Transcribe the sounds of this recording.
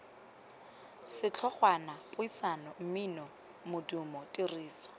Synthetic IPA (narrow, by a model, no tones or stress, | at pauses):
sɪt͡ɬʰɔχwanapʼʊisanɔm̩minɔ | mʊdumɔtʼiriːsɔ̥